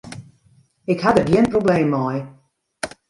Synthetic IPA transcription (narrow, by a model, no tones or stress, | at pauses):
ɪkhadəbjiənprobleːmːɔj